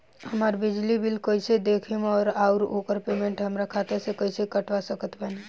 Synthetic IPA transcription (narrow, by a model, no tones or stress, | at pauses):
ɦəməɾbid͡ʒlibʱilkəjsed̪ekʰimɔːɾauɾokəɾpemẽɳʈɦəmɾakʰat̪eɾsẽkəjsekəʈʰʋasəkət̪bɛne